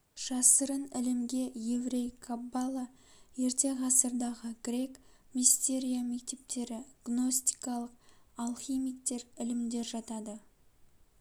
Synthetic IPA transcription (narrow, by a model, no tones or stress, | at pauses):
ʒ̥ɑsəɾənɪlɪmɡʲe̞je̞vɾe̞jkʰabːɑlˠɑ | je̞ɾt̪e̞ʁɑsəɾd̪ɑʁəɡ̥ʲɾʲe̞k | mist̪e̞ɾʲijame̞k̚t̪e̞p̚t̪e̞ɾɪɡ̥no̞st̪i̥kɑlˠəqalˠχimijkt̪e̞ɾɪlɪmd̪e̞ɾʒɑt̪ɑd̪ə